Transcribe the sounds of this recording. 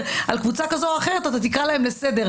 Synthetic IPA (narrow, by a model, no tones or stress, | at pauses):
alkvut͡sakazoaχe̞ʁe̞t̪at̪at̪ikalaemlesed̪e̞ʁ